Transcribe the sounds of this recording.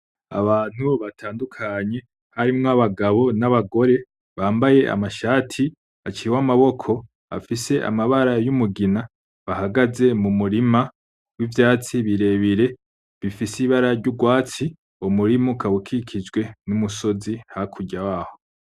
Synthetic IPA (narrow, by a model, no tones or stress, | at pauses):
a̰βaːn̥huβatʰaːndukʰaɲe̞ | haɾimŋoaβaɡaβo̞naβaɡo̞ɾe̞ | βaːmbaje̞ʔa̰maʃaːtʰi | at͡ʃiwamaβo̞kʰo̞ | a̰fise̞ʔa̰maβaɾajumuɡina | βahaɡaze̞mumuɾima | wivjaːt͡siβiɾe̞βiɾe̞ | βifisiβaɾaɾɟuɡwaːt͡si | omuɾimukawukʰikʰid͡ʒɡwe̞numuso̞zihakʰuɟawaːho̞